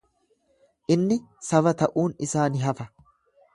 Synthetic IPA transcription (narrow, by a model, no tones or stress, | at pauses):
ʔɪnːɪsɐfɐt̪ɐʔuːnɪsaːnɪɦɐfɐ